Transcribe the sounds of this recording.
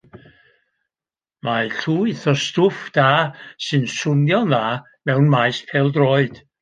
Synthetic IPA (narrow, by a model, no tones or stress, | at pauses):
maɬuːɨθɔstʊfd̥aːsɨnsʊnjɔnðaː | mɛwnmajspʰɛlˠdroːɨd̥